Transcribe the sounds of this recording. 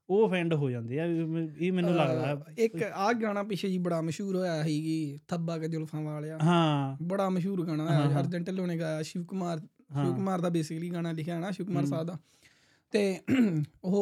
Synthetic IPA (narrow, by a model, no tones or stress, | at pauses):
oːpʰɛ̃ːɳɖɦoːd͡ʒãːnd̪iːɛːiːmɛːnũːləɡd̪aːɪkaːɡaːnãːpɪʃʰeːd͡ʒiːbəɽaːməʃuːɾɦoːjaːɦiːkiːt̪ʰəbaːkəd͡ʒʊlpʰãːʋaːljaːɦãːbəɽaːməʃuːɾɡaːɽãːaəɾd͡ʒəɳʈəloːneːɡaːjaːʃɪʋkʊmaːɾ | ʃɪʋkʊmaːɾd̪aːbeːsɪkəliːɡaːnaːlɪkʰjaːnãːʃɪʋkmaːɾsaːd̪aː | t̪eː | ʊɦo